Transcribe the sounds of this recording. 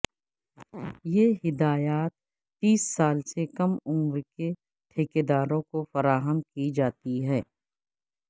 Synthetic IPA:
jeːɦɪd̪aːjaːt̪ː | iːsːaːlsekɐmʊ̃mɾke | ʈʰeːked̪aːɾõkofɐɾaːɦəmkid͡ʒaːt̪iɦɛː

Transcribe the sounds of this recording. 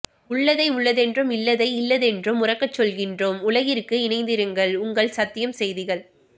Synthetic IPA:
ʊɭːɐðɐɪʊɭːɐðɛndrɯmɪlːɐðɐɪɪlːɐðɛndrɯmʊrɐkːɐt͡ʃːɔlɣɪndroːmʊlɐɣɪɾkːɯɪnɐɪnd̪ɪɾɯŋɡɐɭʊŋɡɐɭsɐt̪ːɪjɐmsɛjðɪɣɐɭ

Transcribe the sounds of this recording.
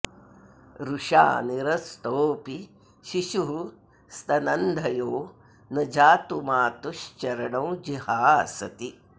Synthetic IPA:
ɾuʃa̰ːniɾɐst̪oːpi | ʃiʃu | st̪ɐnɐnd̪ʱɐjoː | nɐd͡ʒaːt̪umaːt̪uʃt͡ʃɐɾɐɳɐ̃wd͡ʒihaːɐsɐt̪i

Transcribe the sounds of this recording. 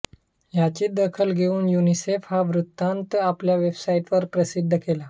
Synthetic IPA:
jat͡ɕiːd̪əkʰəlɡʱeuːnjunisefhaʋɾut̪ːant̪apljaʋebsaiʈʋəɾpɾəsid̪ʱːəkela

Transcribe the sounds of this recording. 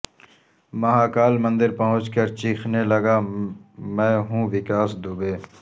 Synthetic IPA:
məɦaːkaːlmə̃nd̪əɾpəɦʊ̃t͡ʃkəɾt͡ʃiːxʰneːləɡaː | mɛ̃ːɦũːʋɪkaːsd̪ubeː

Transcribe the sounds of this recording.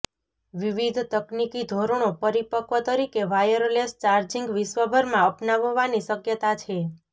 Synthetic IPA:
ʋiʋid̪ʱt̪əknikid̪ʱoɾəɳ̃opəɾipəkʋət̪əɾikeʋajəɾlest͡ʃaɾd͡ʒiŋɡʋiʃʋəbʱəɾmãəpnaʋəʋːaniʃəkjət̪at͡ʃʰe

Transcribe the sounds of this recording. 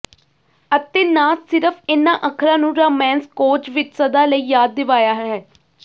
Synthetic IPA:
ət̪eːnaːsɪɾəpʰɪnːãːʔəkʰɾãːnũːɾaːmɛ̃ːnskoːt͡ʃʋɪt͡ʃsəd̪aːləiːjaːd̪̚ːɪʋaːjaːɦɛː

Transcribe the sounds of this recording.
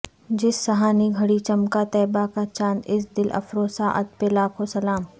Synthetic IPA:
d͡ʒɪsːɐɦaːniɡʱɐɽit͡ʃɐmkat̪ɛːbakat͡ʃãːnd̪ɪsd̪ɪlʔɐ̰fɾoːsaʔɐ̰t̪̚pelaːkʰosɐlaːm

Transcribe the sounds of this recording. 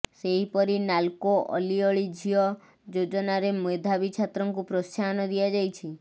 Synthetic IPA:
seɦipɔɾinalkoʔɔ̰liɔɭid͡ʒʱijɔ | d͡ʒod͡ʒɔnaɾemoed̪ʱabit͡ʃʰat̪ɾɔŋkupɾɔst͡ʃanɔd̪iad͡ʒajt͡ʃʰi

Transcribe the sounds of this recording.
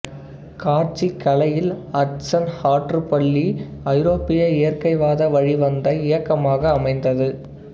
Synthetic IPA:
kaːɾt͡ʃikːɐlɐjɪlɐʈsɐnhaːʈrɯpɐɭːiɐɪɾoːpɪjɐɪjɐrkɐɪʋaːðɐʋɐɻiʋɐnd̪ɐɪjɐkːɐmaːɣɐːmɐɪnd̪ɐðɯ

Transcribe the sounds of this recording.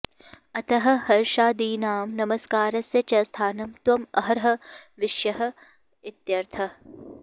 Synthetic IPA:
ɐt̪ɐɦɐ̆hɐɾʃaːd̪iːnaːmnɐmɐskaːɾɐsjɐt͡ʃɐst̪ʰaːnɐmt̪ʋɐmɐɦɐɾɦɐ̆ʋiʃjɐɦɐ̆ | it̪jɐɾt̪ʰɐ

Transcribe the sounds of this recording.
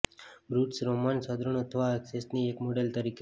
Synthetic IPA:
bɾuʈsɾomansəd̪ɾəɳ̃ət̪ʰəʋaeksesniekmoɖelt̪əɾike

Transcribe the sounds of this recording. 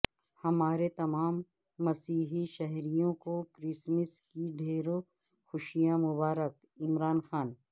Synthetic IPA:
hɐmaːɾet̪ɐmaːmː | ɐsiːɦiʃɐɦɾijõkokɾɪsməskiɖʱeːɾo | xʊʃijamʊbaːɾək | ɪmɾaːnxaːn

